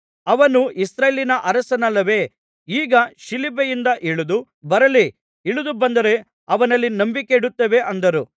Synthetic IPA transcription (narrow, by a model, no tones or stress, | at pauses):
ɐʋɐnuʔisɾɐːjlinɐʔɐɾɐsɐnɐlːɐʋe̞ː | iːɡɐʃilibɐjind̪ɐʔiɭud̪u | bɐɾɐli | iɭud̪ubɐnd̪ɐɾe̞ | ɐʋɐnɐlːinɐmbikeiɽut̪ːɐʋe̞ʔɐnd̪ɐɾu